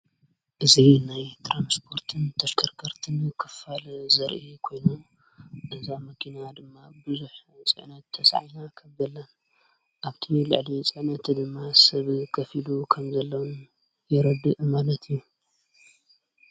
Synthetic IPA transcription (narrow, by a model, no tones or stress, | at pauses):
ʔɨzinajt̪ʰɾanspʰo̞ɾt̪ʰɨnt̪ʰɐʃkʰɐɾkʰɐɾt̪ʰɨnkʰɨfalzɐɾʔikʰojnom | ʔɨzamɐkʰinad̪ɨmːabɨzuħt͡sʼɨ̰ʕnɐt̪ʰːɐsʕajnakʰɐβd̪ɐlːɐn | ʔaβt̪ʰilɨ̰ʕlit͡sʼɨʕnɐt̪d̪ɨmːasɐβkʰɐfilukʰɐmzɐlːɐwn | jɛɾɐd̪ːɨʔmalɐt̪ju